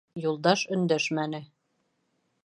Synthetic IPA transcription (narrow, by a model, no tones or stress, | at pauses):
julˠd̪ɑʃɵ̆nd̪æʃmænɘ